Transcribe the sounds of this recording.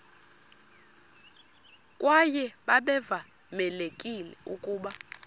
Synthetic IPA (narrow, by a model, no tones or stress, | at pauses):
kʼwajɛɓaɓɛva | mɛlekʼilɛukʼuːɓa